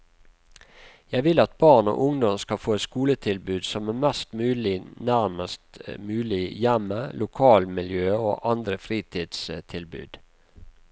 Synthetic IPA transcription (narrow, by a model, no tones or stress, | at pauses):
jæɪʋɪlɑt̪̚bɑːʁɳo̰ːʔʊŋd̪ɔmskɑfoːɛt̪skuːlət̪ʰɪlbʉːd̪sɔmæːmɛst̪mʉːlɪnæɾməst̪mʉːlɪjæməlʔʊkʰɑːlmɪljøːo̰ːʔɑnd̪ɾəfɾiːt̪ʰiːd̪st̪ʰɪlbʉ̰ːd̪̥